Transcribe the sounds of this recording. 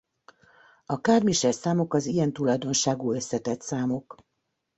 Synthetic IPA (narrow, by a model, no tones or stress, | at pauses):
ɒkaːrmiʃɛrsaːmokɒzijɛnt̪ulɒjd̪o̞nʃaːɡuːøsːɛt̪ɛt̪saːmok